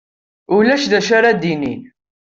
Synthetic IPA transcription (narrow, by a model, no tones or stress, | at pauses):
ulæʃðæʃaɾad̪inḭn